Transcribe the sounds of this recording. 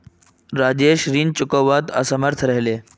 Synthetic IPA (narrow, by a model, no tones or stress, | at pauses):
ɾaːd͡ʑeʃɾiːnt͡ɕukəʋat̪ə̰səməɾt̪ʰɾəɦleː